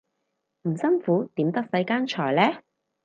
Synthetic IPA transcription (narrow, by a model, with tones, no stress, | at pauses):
m̩˨˩sɐ˥nfuː˨˥t̪iː˨˥mt̪ɐ˥k̚sɐ˨˥jkaː˥nt͡ʃʰɔː˨˩jlɛː˥